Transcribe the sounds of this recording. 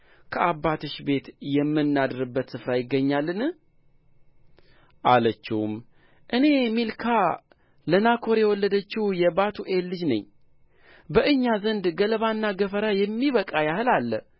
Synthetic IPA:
kʰəʔabːat̪ɨʃbe̞t̪jɛmːɨnːad̪ɨɾɨbːət̪sɨfɾajɪɡːəɲːalːɨnɨh | ʔalət͡ʃːɪwum | ʔɨne̞milkʰa | lənakʰo̞ɾjɛwɔlːəd̪ət͡ʃːɪhjɛbat̪ʰuʔe̞lːɨd͡ʒnə̰ɲː | bəʔɨɲːazənd̪ɡələβanːaɡəfəɾajɛmːiβəkʼajahɨlalːə

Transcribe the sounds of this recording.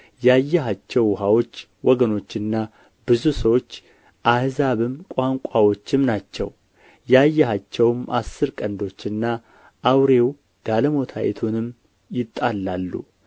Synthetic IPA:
jajːɛɦat͡ʃːɛwːɦawo̞t͡ʃː | wɔɡəno̞t͡ʃːɨnːa | bɨzusəwo̞t͡ʃː | ʔahzaβɨmkʷʼaŋkʷʼawo̞t͡ʃːɪmnat͡ʃːɛ̰w | jajːɛhat͡ʃːɛwɨmʔasːɨɾkʼənd̪o̞t͡ʃːɨnːa | ʔːwɾe̞w | d̪̥aləmo̞t̪ʰajɛ̰t̪ʰunɨm | jɪt̪ʼːalːalːṵ

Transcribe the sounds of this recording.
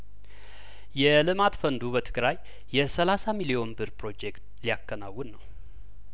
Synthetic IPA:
jɛlɨmat̪fənd̪ubət̪ʰɨɡɾajː | ɛsəlasamilio̞nbɨɾpʰɾo̞d͡ʒekt̪lijakːəna̰wːɨnːəw

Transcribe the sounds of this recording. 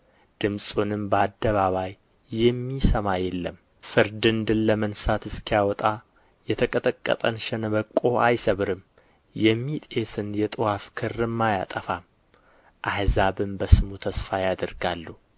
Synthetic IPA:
d̪̥ɨmsʼunɨmbəad̪ːəβaβajː | ɛmːisəmajɛlːəm | fɨɾd̪ɨnd̪ɨnləmənsat̪ɨskʰijawɔt̪ʼa | jɛt̪ʰəkʼət̪ʼəkʼːə̰t̪ʼə̰nʃɛnəβəkʼːo̞ʔajsəβɨɾɨm | jɛmːit̪ʼesɨnjɛt̪ʼɨwafkʰɨrːɨmːaja̰t̪ʼəfam | ʔahzaβɨmbəsɨmut̪ʰəsfajad̪əɾɡalːu

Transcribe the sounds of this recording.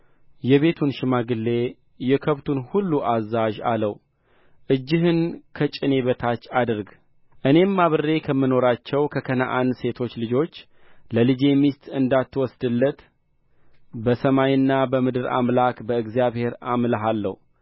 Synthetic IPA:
jɛβe̞t̪ʰunʃɪmaɡɨlːe̞ | jɛkʰəβt̪ʰunhulːuʔazːaʒa̰ləw | ʔɨd͡ʒːɪɦɨnkʰət͡ʃʼɪne̞βət̪ʰat͡ʃːad̪ɨɾɡ | ʔɨne̞mːaβɨre̞kʰəmːɨno̞ɾat͡ʃːɛwkʰəkʰəna̰ʔand̪se̞t̪ʰo̞t͡ʃːlɨd͡ʒo̞t͡ʃː | ləlɨd͡ʒe̞mist̪ʼɨnd̪at̪ːwɔsd̪ɨlːət̪ | bəsəmajɨnːabəmɨd̪ɨɾa̰mlakbəɨɡzijaβhe̞ɾamlaɦalːə̰hu

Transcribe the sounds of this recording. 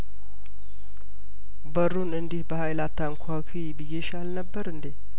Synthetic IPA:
bərːunɨnd̪ihbəhajlat̪ʰːaŋkʰakʰibɨjːeʃalnəbːəɾɨnd̪e

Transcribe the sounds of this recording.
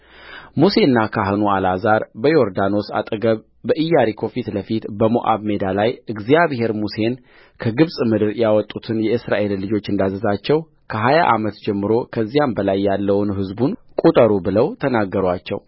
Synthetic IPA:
muse̞nːakʰaɦɨnualazaɾbəjo̞ɾd̪ano̞sa̰t̪ʼəɡəβ | bəʔɨjːaɾikʰo̞fit̪ləfit̪bəmoʔa̰βme̞d̪alajɨɡzijaβhe̞ɾmuse̞n | kʰəɡɨβsʼmɨd̪ɨɾjawɔt̪ʼːut̪ʰɨnjɛʔɨsɾaʔe̞llːɨd͡ʒo̞t͡ʃːɨnd̪azəzat͡ʃːɛw | kʰəɦaja̰ʔamət̪d͡ʒɛmːɨɾo̞kʰəzːijambəlajːalːəwnɦɨzbunkʼut̪ʼəɾubɨləwt̪ʰənaɡːəɾat͡ʃːɛ̰w

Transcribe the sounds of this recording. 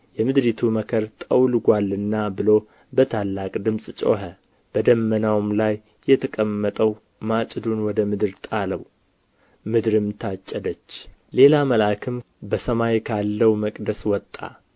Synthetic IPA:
jɛmɨd̪ɾit̪ʰuməkʰəɾt̪ʼəwlɡʷalːɨnːabɨlo̞ | bət̪ʰalːakʼd̪ɨmsʼt͡ʃʼo̰ɦə | b̥əd̪əmːənawmlajː | ɛt̪ʰəkʼəmːət̪ʼəw | mat͡ʃʼd̪unwɔd̪əmɨd̪ɨɾt̪ʼaləw | mɨd̪ɾɨmt̪ʰat͡ʃʼːəd̪ət͡ʃːle̞laməlakʰɨm | bəsəmajkʰalːəwməkʼd̪əswɔt̪ʼːa̰

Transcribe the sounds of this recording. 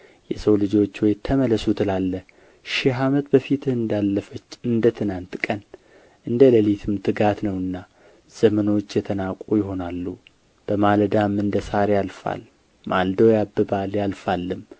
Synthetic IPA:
jɛsəwlɨd͡ʒo̞t͡ʃːwɔjt̪ʰəmələsut̪ʰɨlalːə | ʃɪɦamət̪bəfit̪ʰɨɨnd̪alːəfət͡ʃːɨnd̪ət̪ʰɨnant̪kʼən | ʔɨnd̪ələlit̪ʰɨmt̪ʰɨɡat̪nəwɨnːa | z̥əməno̞t͡ʃːjɛt̪ʰənakʼujɪɦo̞nalːu | b̥əmald̪amɨnd̪əsaɾjalfa̰l | mald̪əwjabːɨbaljalfalːɨm

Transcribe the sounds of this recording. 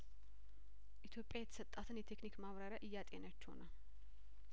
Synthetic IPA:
ʔit̪ʰjo̞pʼjajɛt̪ʰə̥sət̪ʼːat̪ʰɨnjɛt̪ʰeknikmawɾaɾaʔɨjːat̪ʼjenət͡ʃːho̰nə

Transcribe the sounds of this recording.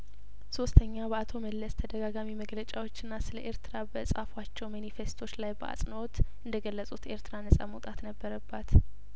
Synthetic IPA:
so̞st̪ʰəɲːabəat̪ʰo̞məlːəst̪ʰəd̪əɡaɡamiməɡlət͡ʃʼawo̞t͡ʃːɪɨnːasɨləʔe̞ɾt̪ʰɨɾabəɨsʼafwat͡ʃːɛwmanife̞st̪ʰo̞t͡ʃːlajbəʔa̰sʼnəo̞t̪ʔɨnd̪əɡəlːəsʼut̪e̞ɾt̪ʰɨɾanəsʼa̰məwt̪ʼat̪nəbːəɾəbːat̪

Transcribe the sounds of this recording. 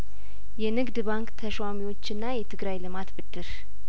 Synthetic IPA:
jɛnɨɡd̪baŋkt̪ʰəʃwamiwo̞t͡ʃːɨnːajɛt̪ʰɨɡɾajlɨmat̪bɨd̪ːɨɾ

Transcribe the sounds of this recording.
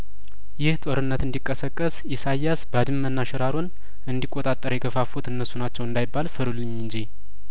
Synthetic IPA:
jɪht̪ʼoɾɨnːət̪ɨnd̪ikʼːəsəkʼːəs | isajːasbad̪ɨmːənːaʃɛɾaɾon | ɨnd̪ikʼːot̪ʼat̪ʼːəɾjɛɡəfafut̪ɨnːəsːunat͡ʃːɛwɨnd̪ajɪbːalfəɾulːɨɲːɨɲd͡ʒi

